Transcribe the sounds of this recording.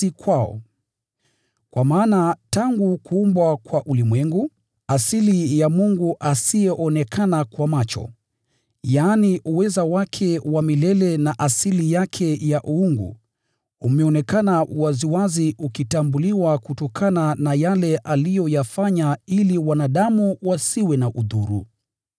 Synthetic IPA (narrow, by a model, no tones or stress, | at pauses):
ikwaɔ̰ | kwamaːnataŋɡukuumbwakwaʔulimwɛŋɡu | asilijamuŋɡuʔasijɛʔɔnɛkʰanakwamat͡ʃɔ̰ | jaːniʔuwɛzawakʰɛwamilɛlɛnaʔasilijakʰɛjaʔuuŋɡṵ | umɛɔnɛkanawaziwaziukitambuliwakutɔkʰananajalɛʔalijɔjafaɲailiwanaɗamuwasiwɛnaʔuðuɾṵ